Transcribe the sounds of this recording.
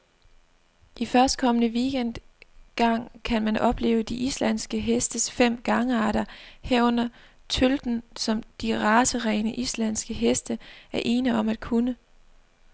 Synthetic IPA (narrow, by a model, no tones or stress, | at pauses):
ʔifɶɐsd̥̚kʰɒ̽mənəʋiɡ̥en̰d̥ | ɡ̥ɑ̈ŋ̰kʰænmænʔɒ̽b̥le̝̰ːʊəd̥iʔislæn̰sɡ̥əɦesd̥əsfem̰ɡ̥ɑ̈ŋəɑ̈ːɾ̥ɐheɐ̰ɔ̽n̰ɐ | t͡sʰøld̥n̩sɒ̽md̥iʁɑ̈ːsəʁɛːnəʔislæn̰sɡ̥əɦesd̥əæɐʔe̝ːnəɒ̽mæd̥̚kʰunə